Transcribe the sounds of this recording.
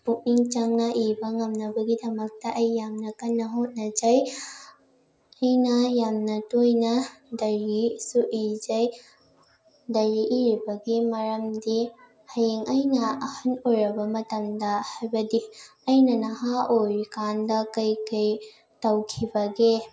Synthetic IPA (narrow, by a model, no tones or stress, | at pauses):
puk̚niŋt͡ʃɐŋnɐʔibɐŋɐmnɐbɐɡidɐmɐk̚tɐʔɐjːamnɐkɐnːɐɦot̚nɐd͡ʒɐj | ɐjnɐjamnɐtojnɐdɐɾisuʔid͡ʒɐj | dɐɾiʔiɾibɐɡimɐɾɐmdi | hɐjeŋɐjnɐɐhɐnojɾɐbɐmɐtɐmdɐhajbɐdiɐjnɐnɐhaʔojɾikandɐkɐjkɐj | tɐwkʰibɐɡe